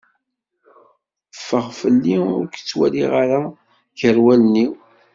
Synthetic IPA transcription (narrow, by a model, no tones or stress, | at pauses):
əfːəʁfəlːiʊ̰ɾkt͡sːwæ̰liʁaɾa | ʝəɾwæləniw